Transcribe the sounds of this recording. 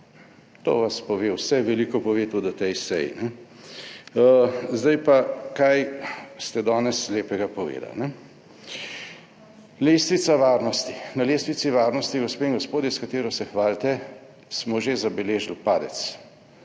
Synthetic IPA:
t̪o̰ːʋaspɔʋeːwsɛʋɛlikɔpɔʋeːt̪ud̪ɔt̪ɛjsɛ̰jḭnɛ | zd̪ajpakajst̪ɛd̪ɔːnɛsleːpɛɡapɔʋḛːd̪a̰lnɛ | leːst̪ʋit̪saʋaːɾnɔst̪i̥naleːst̪ʋit̪siʋaːɾnɔst̪iɡospeːĩŋɡɔspoːd̪jɛskat̪eːɾɔsɛxʋaːlt̪ɛ | smɔʒezabɛleːʒilpaːd̪ɛ̰t̪s

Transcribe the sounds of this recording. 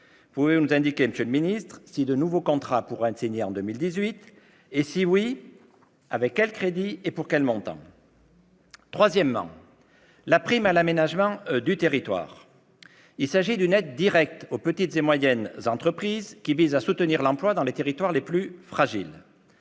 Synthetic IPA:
puvevunuzɛ̃d̪ikʲeməsjøləminist̪χsid̪ənuvokɔ̃t̪χapuʁɛ̃siɲeɑ̃d̪ømild̪izɥit̪ | esiwi | avɛkːɛlkχed̪iepuʁkɛlmɔ̃t̪ɑ̰̃ | t̪χwazjɛmːɑ̰̃ | lapχimalamenaʒmɑ̃d̪yt̪eʁit̪wa̰ːʁ | ilsaʒid̪ynɛd̪ːiʁɛk̚t̪opət̪it̪zemwajɛnzɑ̃t̪χəpχizkʲivizasut̪əniʁlɑ̃plwad̪ɑ̃let̪eʁit̪waʁleplyfχaʒil

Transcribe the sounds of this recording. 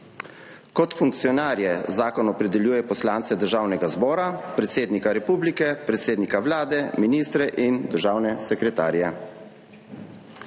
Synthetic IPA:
kɔt̪fuŋk̚t̪sijɔnaːɾjɛzaːkɔnɔpɾɛd̪ɛljuːjɛpɔslaːnt̪sɛd̪əɾʒaːwnɛɡazbɔːɾapɾɛt̪seːd̪nikaɾɛpuːblikɛpɾɛt̪seːd̪nikaʋlaːd̪ɛminiːst̪ɾɛʔind̪əɾʒaːwnɛsɛkɾɛt̪a̰ːɾjɛ

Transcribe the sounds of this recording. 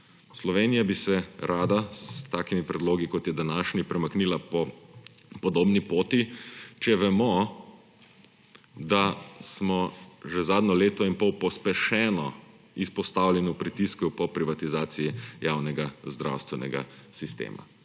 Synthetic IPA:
slɔʋeːnijabisɛɾʔaːd̪at̪aːkimipɾɛd̪loːɡikɔt̪jɛd̪anaːʃnipɾɛmaknilapɔ | pɔd̪oːbnipoːt̪it͡ʃɛʋɛmɔ | d̪asmɔʒɛzaːd̪nɔleːt̪ɔinpɔwpɔspɛʃɛːnɔ | ispɔst̪aːwlʲɛniupɾit̪iskupɔpɾiʋat̪izaːt̪sijijawnɛɡazd̪ɾa̰wst̪ʋɛnɛ̰ɡa̰sist̪ḛːma̰

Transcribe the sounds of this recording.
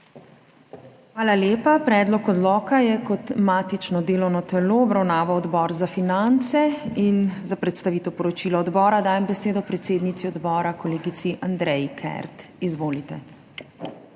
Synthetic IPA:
xʋaːlaljeːpapɾɛːd̪lɔkɔd̪lɔːkajɛkɔt̪maːt̪it͡ʃnɔd̪eːlɔwnɔt̪ɛloɔbɾawnaːʋawɔd̪bɔːɾzafinant̪sɛinzapɾɛt̪st̪aʋiːt̪ɛwpɔɾɔt͡ʃiːlɔːd̪bɔːɾad̪aːjɛmbɛseːd̪ɔpɾɛt̪seːd̪nit̪siɔd̪bɔːɾakɔleːɡit̪siʔand̪ɾɛjkʰɛ̰ɾt̪izʋoːlit̪ɛ

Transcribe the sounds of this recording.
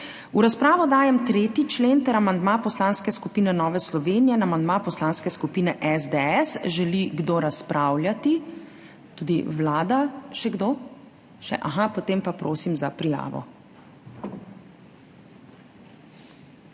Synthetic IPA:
uɾaspɾaːʋɔd̪aːjɛmt̪ɾeːt̪it͡ʃleːnt̪ɛɾamand̪mapɔslanskɛskupiːnɛnɔːʋɛslɔʋeːnijɛnamand̪mapɔslaːnskɛskupiːnɛʔɛzd̪ɛɛsʒɛliɡd̪oɾaspɾʔaːwlʲjat̪i | t̪uːd̪iwlaːd̪aʃɛɡd̪oː | ʃɛ̰ʔaxapot̪eːmpapɾoːsimzapɾija̰ːʋɔ̰

